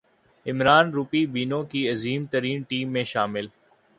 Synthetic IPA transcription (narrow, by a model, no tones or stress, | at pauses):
ɪmɾaːnɾupibiːnõkiɐziːmt̪ɐɾiːnʈiːmːẽʃaːmɪl